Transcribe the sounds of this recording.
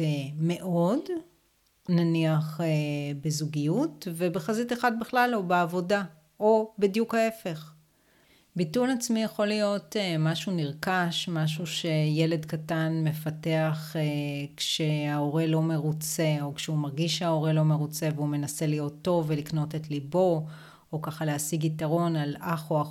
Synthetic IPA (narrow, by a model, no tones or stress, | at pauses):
me̞ʔo̞d | naniaχebezuɡijutve̞beχaziteχad̚biχlalobeavo̞da | o̞bidjukhae̞fe̞χ | bitulat͡smijaχo̞lijo̞temaʃuniʁkaʃmaʃuʃe̞je̞le̞dkatanme̞fate̞aχekʃe̞ao̞ʁelo̞me̞ʁut͡se̞o̞kʃeumaʁɡiʃeao̞ʁe̞lo̞meʁut͡se̞veume̞nase̞lijo̞t̪ːo̞vːelikno̞tetlibo̞ | okaχaleasiɡitaʁo̞nalaχoa